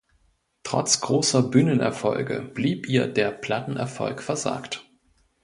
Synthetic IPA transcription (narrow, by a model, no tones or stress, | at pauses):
tʁ̥ɔ̰t͡sɡ̥ʁoːsɐbynənɛ̰ɐfɔ̰lɡə̰b̥liːpʔiːɐdeːɐpʰl̥atn̩ʔɛ̰ɐfɔ̰lkfɛɐza̰ːkt